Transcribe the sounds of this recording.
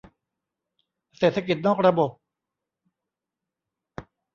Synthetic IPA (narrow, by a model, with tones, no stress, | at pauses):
seː˨˩t̪ʰːa˧k̬i˨˩t̪̚nɔː˥˩k̚ɾa˧bo˨˩p̚